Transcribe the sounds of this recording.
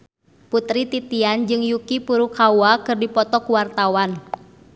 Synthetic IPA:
put̪ɾit̪it̪iand͡ʒɨŋjukipuɾukawakɨrdipɔt̪ɔkuwart̪awan

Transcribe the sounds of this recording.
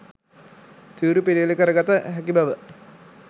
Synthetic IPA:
siuɾupililekəɾəɡat̪əɦɛkibaʋə

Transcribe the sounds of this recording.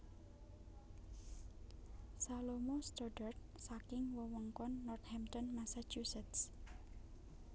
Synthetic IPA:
salomost̪ɔɖərt̪̚ | sakɪŋwəwəŋkɔnːɔrt̪̚hɛmt̪ɔnmasat͡ʃusɛt̪s

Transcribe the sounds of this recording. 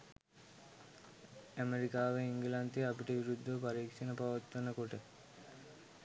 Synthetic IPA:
æmeɾikaːʋeiŋɡəlant̪iapiʈəʋiɾud̪ʱːəpaɾiːkʂɐnəpaʋɐt̪ːʋɐnɐkoʈə

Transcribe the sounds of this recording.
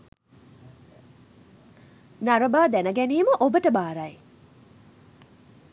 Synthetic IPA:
naɾɐbad̪enɐɡenimɐʔobɐtɐbaɾaj

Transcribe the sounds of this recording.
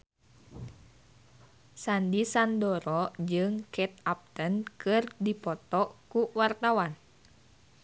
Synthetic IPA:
sandisandɔɾɔd͡ʒɨŋkɛt̪̚ap̚t̪ənkɨrdipɔt̪ɔkuwart̪awan

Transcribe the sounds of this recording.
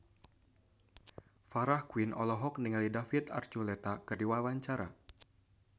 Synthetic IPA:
faɾahkuinʔɔ̰lɔɦɔk̚niŋalidafit̪a̰rt͡ʃulɛt̪akɨrdiwawaɲt͡ʃaɾa̰

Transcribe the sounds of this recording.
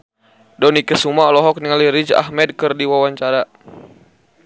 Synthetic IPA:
dɔnikəsumaɔlɔɦɔk̚niŋaliɾid͡ʒa̰hmɛd̚kɨrdiwawaɲt͡ʃaɾa

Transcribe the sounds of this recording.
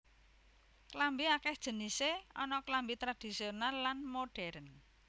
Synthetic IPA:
klambiakɛhd̥ʒ̥ə̤niseɔnɔklambit̪ɾad̥isionalːanmoɖ̥ɛɾən

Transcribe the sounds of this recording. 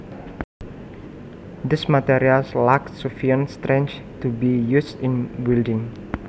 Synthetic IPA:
d̪ismat̪ɛɾialslakːufiə̃nst̪ɾẽnt͡ʃ | t̪ubijusĩnwildɪ̃ŋ

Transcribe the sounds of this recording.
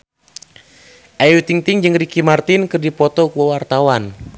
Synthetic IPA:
ʔajut̪iŋt̪iŋd͡ʒɨŋrikimart̪inkɨrdipɔt̪ɔkuawart̪awan

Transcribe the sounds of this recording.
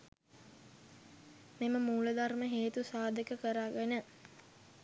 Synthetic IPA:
meməmuːləd̪arməɦeːt̪usaːd̪əkəkəɾaːɡənə

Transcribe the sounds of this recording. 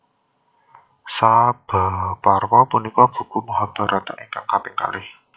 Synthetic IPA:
sab̥a̤parwɔpunikɔb̥ṳkumɔɦɔb̥a̤ɾɔt̪a̰ʔiŋkaŋkapeka̰lɪh

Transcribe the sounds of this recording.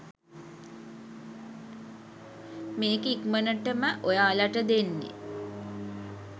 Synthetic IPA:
meːkeikmənəʈəməʔojaːlaʈəd̪enːḛ

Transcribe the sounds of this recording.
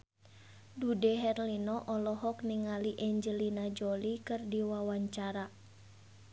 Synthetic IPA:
dudɛɦɛrlinɔʔɔlɔɦɔk̚niŋaliʔɛɲd͡ʒəlinad͡ʒɔlikɨrdiwawaɲt͡ʃaɾa

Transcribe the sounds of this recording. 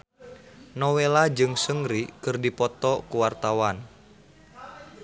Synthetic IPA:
nɔwelad͡ʒɨŋsəŋɾikɨrdipɔt̪ɔkuwart̪awan

